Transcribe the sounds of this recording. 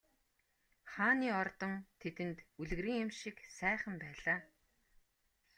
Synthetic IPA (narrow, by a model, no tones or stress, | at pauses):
χaːniːɔrt̪ɞ̆nt̪ʰet̪ɘ̆nt̪uɮ̆ɣɾiːŋemʃɪksæːχə̆mpæːɮaː